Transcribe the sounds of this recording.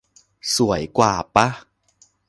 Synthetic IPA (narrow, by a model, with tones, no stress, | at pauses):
su˨˩˦əjkwaː˨˩pa˦˥